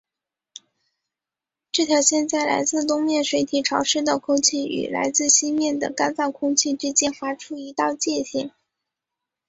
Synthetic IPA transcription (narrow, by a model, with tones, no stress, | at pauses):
ʈ͡ʂɤ˥˩t̪ʰjɑ˧˥ʊɕjɛ˥˧nt͡sa˥˩ɪla̰˧˥ɪt͡sɹ̩˥˩t̪ʊ˥ŋmjɛ˥˩nʂwe˧˥ɪt̪ʰi˨˥˩ʈ͡ʂʰɑ˧˥ʊʂɻ̩˥t̪ɑ˥˧˩kʰʊ˥ŋt͡ɕʰi˥˩y̰˨˩la̰˧˥ɪt͡sɹ̩˥˩ɕi˥nmjɛ˥˩nd̪ə̰˩ka˥nt͡sɑ˥˩ʊkʰʊ˥ŋt͡ɕʰi˥˩ʈ͡ʂɻ̩˥t͡ɕjɛ˥nfa˧˥ʈ͡ʂʰu˥i˧˥t̪ɑ˥˧ʊt͡ɕjɛ˥˧ɕjɛ˥˩ŋ